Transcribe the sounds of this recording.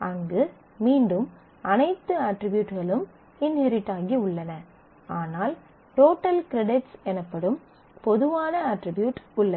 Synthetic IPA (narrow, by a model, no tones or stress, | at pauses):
ɐŋɡɯ | miːɳɖɯm | ɐnɐɪt̪ːɯaʈɾɪbjuːʈɣɐɭɯm | ɪnhɛɾɪʈːaːɣiʊɭːɐnɐ | aːnaːl | ʈoːʈːɐlkɪɾɛɽɪʈsɛnɐpːɐɽɯm | pɔðɯʋaːnɐɐʈɾɪbjuːʈʊɭːɐ